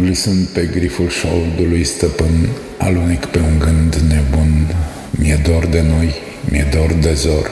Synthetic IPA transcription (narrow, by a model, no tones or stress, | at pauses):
ɡlisɨnpeɡɾifulʃold̪ulujst̪əpən | a̰lunikpeuŋɡɨnd̪nebun | mied̪ord̪enoj | mied̪ord̪ezor